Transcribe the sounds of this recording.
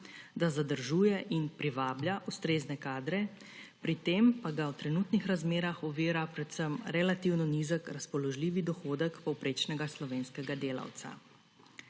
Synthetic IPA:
d̪azad̪əɾʒuːjɛʔinpɾiʋaːbljaʔust̪ɾeːznɛkaːd̪ɾɛ | pɾit̪eːmpaɡawt̪ɾɛnut̪nixɾazmeːɾaxɔʋiːɾapɾɛt̪səmɾɛlat̪iwnɔnizəkɾaspɔlɔʒliːʋid̪ɔxoːd̪əkpɔwpɾeːt͡ʃnɛɡaslɔʋeːnskɛɡad̪eːla̰wt̪sa̰

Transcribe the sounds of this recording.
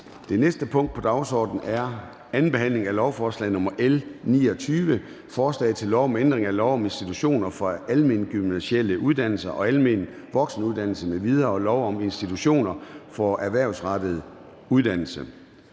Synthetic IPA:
d̥e̝nesd̥əpʰɔ̽ŋ̰d̥̚pʰɒ̽d̥ɑ̈ʊsɒ̰ːd̥n̩æɐ | ænn̩b̥e̝hæn̰le̝ŋælɒʊfɒːslɛ̰ɪnɔ̽mɐʔelnḭːɒ̽t͡sʰyːʋə | fɒːslɛ̰ɪt͡sʰe̝lːɒʊɒ̽mend̥ʁeŋælɒʊɒ̽me̝nsd̥it͡sʰuɕo̝̰ːnɐfɒ̽ælme̝nɡ̥ynæɕel̰əʔuð̞ˠd̥æn̰l̩sɐʔɒ̽ælme̝n | ʋɒ̽ɡ̥snəuðˠd̥ænl̩səmeʋið̞ˠɐlɒʊɒ̽me̝nsd̥it͡sʰuɕo̝̰ːnɐfɒæɐʋæɐ̰ʊsʁɑ̈d̥ð̞̩ˠ | uðˠd̥æn̰l̩sə

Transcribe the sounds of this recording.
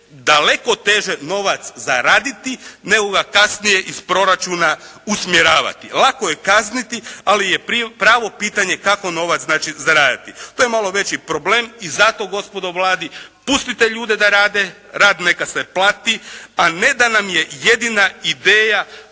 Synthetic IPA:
d̪ale̞ko̞t̪e̞ːʒeno̞ʋat̪szaɾaːd̪it̪ine̞ɡo̞ɡakasnije̞ʔispɾo̞ɾat͡ʃuːnausmjeɾaːʋa̰t̪ilˠako̞je̞kaznit̪ialijeppɾaːʋo̞piːt̪aɲe̞kako̞no̞ʋat̪naːt͡ʃizaɾaːd̪it̪it̪oːjemalo̞ʋe̞t͡ɕipɾo̞bleːmizat̪o̞ɡo̞spo̞d̪o̞ʋlˠaːd̪ipust̪it̪eʎuːd̪e̞d̪aɾaːd̪e | ɾaːd̪ne̞kaseplˠaːt̪iane̞d̪anamjeje̞d̪inaid̪eːja

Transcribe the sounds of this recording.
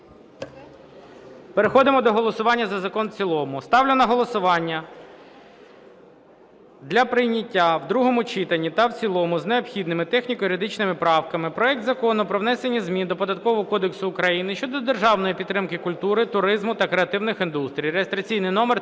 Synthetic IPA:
peɾexɔd̪ɪmɔd̪ɔɦɔlˠɔsʊʋɑnʲːɐzɐzɐkɔnt͡sʲilˠɔmʊst̪ɑwlʲɪnɐɦɔlˠɔsʊʋɑnʲːɐ | d̪lʲɐpɾɪjnʲɐtʲːawd̪ɾuɦɔmʊt͡ʃɪt̪ɐnʲːit̪ɐwt͡sʲilˠɔmʊzneɔbxʲid̪nɪmɪt̪ɛxnʲikɔjiɾɪd̪ɪt͡ʃnɪmɪpɾɑwkɐmɪpɾɔɛk̚t̪zɐkɔnʊpɾɔʋnɛse̞nʲizmʲid̪ɔpɔd̪ɐt̪kɔʋɔɦɔkɔd̪eksʊːkɾɐjinɪʃt͡ʃɔd̪ɔd̪erʒɑwnɔjipʲid̪t̪ːɾɪmkɪkʊlʲt̪uɾɪt̪ʊɾɪzmʊt̪ɐkɾeɐt̪ɪwnɪxind̪ust̪ɾʲijɾejest̪ɾɐt͡sʲijnɪjnɔmer

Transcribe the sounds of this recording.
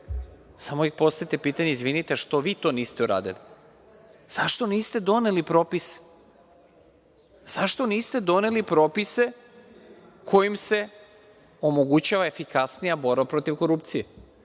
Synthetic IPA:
samoixpo̞st̪ajit̪e̞piːt̪aɲeizʋinit̪eʃt̪o̞ʋiːt̪o̞niːst̪e̞uɾa̰ːd̪ḭli | z̥aʃt̪o̞niːst̪e̞d̪o̞nelipɾo̞ːpise̥ | z̥aʃt̪o̞niːst̪e̞d̪o̞ne̞lipɾo̞pise̞ | kʰo̞jimse̞ | o̞mo̞ɡut͡ɕaʋae̞fikasnijabo̞ɾbapɾo̞t̪iʋko̞ɾupt̪sije

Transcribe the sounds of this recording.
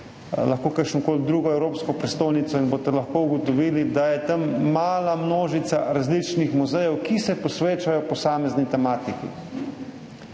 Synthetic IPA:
laxkoːkəɾkʃnɔkoːlid̪ɾuːɡɔɛwɾoːpskɔpɾɛst̪oːjnit̪sɔinboːst̪ɛlaxkouɡɔt̪ɔʋiːlid̪ajɛt̪ɐmːaːlamnoːʒit̪saɾazlit͡ʃnixmuzɛjɛwkisɛpɔsʋeːt͡ʃajɔpɔsaːmɛznit̪ɛmaːt̪ikḭ

